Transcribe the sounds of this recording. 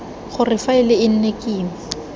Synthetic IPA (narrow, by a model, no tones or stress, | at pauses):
χʊrɪfaɪlɪɪn̩nekʼiːm̩